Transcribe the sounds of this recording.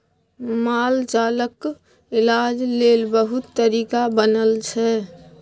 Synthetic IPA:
maːlt͡ʃaːlək | ɪlad͡ʒlelbəɦʊt̪ːəɾiːkabənəlt͡ʃʰɛ

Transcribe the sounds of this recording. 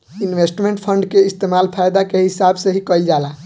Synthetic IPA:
inʋesʈmeɳʈpʰəɳɖkeist̪emalpʰajd̪akeɦisabseɦikəjld͡ʒala

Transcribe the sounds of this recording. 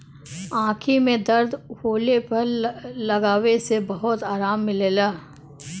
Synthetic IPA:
ãːkʰimẽd̪ɐɾd̪hoːlepɐɾlɐɡaːʋesebɐɦʊt̪aːɾaːmːɪleːlaː

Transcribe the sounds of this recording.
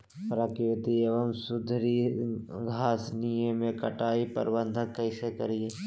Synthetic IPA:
pɾaːkiʋɪt̪ieʋəmsʊd̪ʱɾiɡʱaːsnijemẽkɐ̰ʈaːipə̰ɾbə̃nd̪ʱə̃kɐɪsekɐɾieː

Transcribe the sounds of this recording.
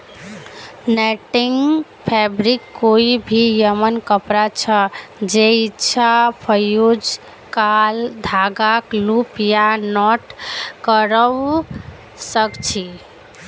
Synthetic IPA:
nɛʈiŋɡ | pʰɛbɾikːoibʱijəmənkəpɾat͡ʃʰəd͡ʒeitːt͡ʃʰapʰəjod͡ʒ | kald̪ʱaɡaklupjanɔʈkəɾəw | səkt͡ʃʰi

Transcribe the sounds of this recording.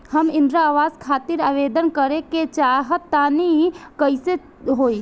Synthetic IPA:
həmɪ̃nd̪ɾaaːʋaːzkʰaːt̪ɪɾaːʋeːd̪ənkəɾeket͡ʃaːɦət̪ːaːnikəɪse | ɦoːi

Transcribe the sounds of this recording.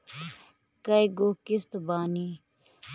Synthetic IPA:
kɐjɡokɪst̪baːniː

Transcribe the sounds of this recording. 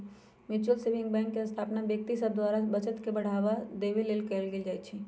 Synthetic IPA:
mɪt͡ʃuəlsebɪ̃ŋɡbɛ̃ːŋkːeə̃st̪ʰaːpnabjək̚t̪isəb̚d̪waːɾabɐt͡ʃət̪kebɐɽ̤aːʋad̪eːʋileːlkeːlɡeld͡ʒaːit͡ʃʰi

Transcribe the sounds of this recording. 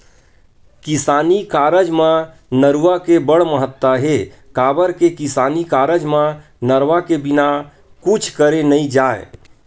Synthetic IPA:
kisaːnikaɾəd͡ʒmã | nəɾuʋakebəɽməɦət̪ːaɦekaːbəɾkekisaːnikaɾəd͡ʒmã | nəɾʋakebina | kut͡ʃʰkəɾenəĩd͡ʒaḛ

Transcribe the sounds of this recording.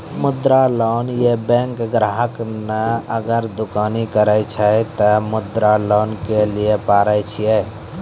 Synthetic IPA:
mʊd̪ɾaloːnjebɛ̃ːŋkɡɾaːɦəknəəɡəɾd̪ʊkaːnikəɾəjt͡ʃʰət̪əmʊd̪ɾaloːnkeliepaːɾəjt͡ʃʰijɛ

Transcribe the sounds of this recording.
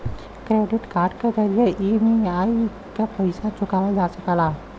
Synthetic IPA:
kɾeːɖɪʈkaːɾɖkezəɾijeʔimiai | kapəɪsat͡ʃʊkaːʋad͡ʒaːsəkəla

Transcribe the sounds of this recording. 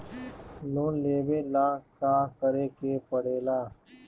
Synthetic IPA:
loːnleːbeːlaːkaːkəɾeːkeːpəɽeːlaː

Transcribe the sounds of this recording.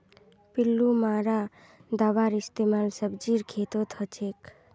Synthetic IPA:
pilːumaːɾa | d̪aʋaːɾist̪eːmaːlsəbd͡ʒiɾkʰeːt̪ot̪ʰət͡ʃʰeːk

